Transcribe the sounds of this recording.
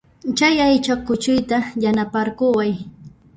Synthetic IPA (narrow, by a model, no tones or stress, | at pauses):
t͡ʃajajt͡ʃakːʊt͡ʃʊjt̪ajanapaɾkʊwaj